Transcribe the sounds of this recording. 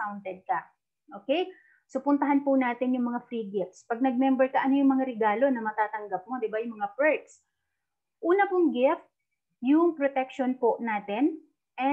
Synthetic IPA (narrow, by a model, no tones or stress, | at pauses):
awnt̪ɛd̪̚kɐ | ʔoːkɛj | sopʊnt̪ɐɦanpʊnaːt̪ɪnjʊŋmɐŋafɾiːɡɪft̪spɐɡ̚nɐɡ̚mɛmbɛɹkɐʔɐnojʊŋmɐŋaɾɛɡaːlo̞nɐmɐt̪aːt̪ɐŋɡɐp̚mod̪ɪbajʊŋmɐŋapɛɹt̪s | ʔuːnɐpʊŋɡɪft̪̚ | jʊŋpɾot̪ɛk̚ʃonpoʔnaːt̪ɪn | ʔɛ